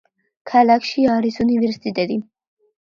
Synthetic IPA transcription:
kʰalakʰʃiaɾisunivɛɾsi̥t̪it̪ʼɛd̪i

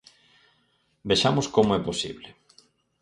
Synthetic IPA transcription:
beʃamʊskomoɛposiβle

